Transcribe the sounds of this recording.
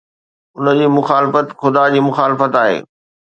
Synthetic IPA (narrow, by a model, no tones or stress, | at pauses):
ʊnəd͡ʑiːmʊxaːlɪfət̪xʊd̪ad͡ʑiːmʊxaːlɪfət̪aːɦḛː